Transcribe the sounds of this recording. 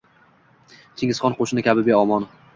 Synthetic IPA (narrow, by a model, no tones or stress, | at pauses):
t̪ʰeŋʲɪz̥χɒnqoʃɪnɪkʲʰabɪbeɒmɒn